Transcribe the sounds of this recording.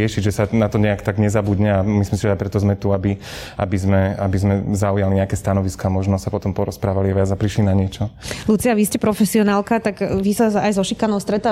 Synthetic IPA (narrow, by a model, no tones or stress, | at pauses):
ɪɛʃiɟʒɛsanat̪ɔɲɛakt̪aɡɲɛzabudɲɛamisimsiʒɛdapɾɛt̪ɔzmɛt̪uabi | ʔa̰bizmɛabizmɛzaujaliɲɛakɛːst̪anɔʋiskɔːmɔʒnɔsapɔt̪ɔmpɔɾɔspɾaːʋaliaʋɪad͡zapɾiʃlinaɲɪɛt͡ʃɔlut͡siaʋiscɛpɾɔfɛsiɔnaːlˠkat̪aɡʋisaajzɔʃikanɔʊst̪ɾɛt̪aː